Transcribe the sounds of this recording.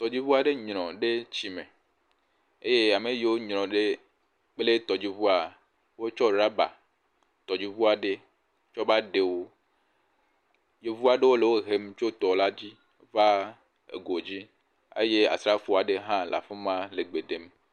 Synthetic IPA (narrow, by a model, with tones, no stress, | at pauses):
t̪ɔ˨d͡ʑi˦vu˦a˨ɖe˦ɲɾ̃ɔ̃˨ɖe˦t͡ɕi˦me˨ | e˦je˦a˨me˨ji˦wo˦ɲɾɔ̃˨ɖe˦ | k͡ple˦t̪ɔ˨d͡ʑi˦vu˦a˨ | wo˦t͡ʃɔ˦ɾa˦ba̰˨ | t̪ɔ˨d͡ʑi˦vu˦a˨ɖe˦ | t͡ʃɔ˦ba˦ɖe˨wo˦ | je˨vu˦a˨ɖe˦wo˦le˨wo˦ɦe˦m˦t͡ʃo˦t̪ɔ˨la˦d͡ʑi˦ | va˦ | ḛ˨ɡo˨d͡ʑi˦ | ḛ˦je˦a̰˨sɾa˦fu˨a˨ɖe˦ɦã˦lʔa̰˨fe˦mã˦le˨ɡ͡be˨ɖe˨m